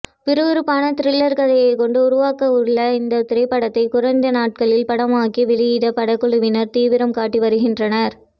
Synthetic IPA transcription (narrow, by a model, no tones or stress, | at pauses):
pɪɾɯʋɯɾɯpːaːnɐt̪ɪɾɪlːɐɾkɐðɐjɐɪkɔɳɖɯʊɾʊʋaːkɐʊɭːɐɪnd̪ɐt̪ɪɾɐɪpːɐɽɐt̪ːɐɪkʊɾɐnd̪ɐnaːʈ̚kɐɭɪlpɐɽɐmaːkiʋɪɻɪjɪðɐpɐɽɐkːɔɭɯʋɪnɐɾt̪iːʋɪɾɐmkaːʈːiʋɐɾɯɣɪndrɐnɐɾ